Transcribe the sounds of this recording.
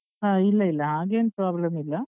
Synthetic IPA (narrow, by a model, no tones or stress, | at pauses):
aːilːɐilːɐɦaːɡenpoaɐbɭlɐnːilːɐ